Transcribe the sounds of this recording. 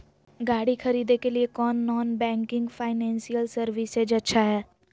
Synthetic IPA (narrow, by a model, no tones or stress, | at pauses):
ɡaːɽikʰɐɾiːd̪ekeliekɔːnːɔːnbɛ̃ːŋkɪ̃ŋɡpʰaːɪnɛ̃ːnsijəlsɐɾʋised͡ʒɐtːʃʰaɦɛː